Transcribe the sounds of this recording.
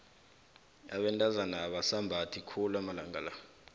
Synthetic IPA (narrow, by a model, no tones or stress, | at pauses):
a̰ɓɛntʼazanaːɓasambʱatʰikʰulamalaŋɡala